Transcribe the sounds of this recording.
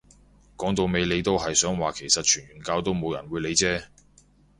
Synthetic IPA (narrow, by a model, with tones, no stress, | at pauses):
kɔː˨˥ŋt̪o˨˧wme˨˧jle˨˧jt̪o˥wɦɐ˨jsœː˨˥ŋwaː˨kʰe˨˩jsɐ˨t̚t͡ʃʰyː˨˩nɥyː˨˩nkaː˧wt̪o˥wmo˨˧wjɐ̰˨˩nwu˨˧le˨˧jt͡sɛː˥